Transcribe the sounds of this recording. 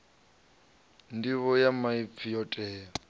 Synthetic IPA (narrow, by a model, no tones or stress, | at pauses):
ndiβɔjamaip̪fʰijɔtʼɛːɔ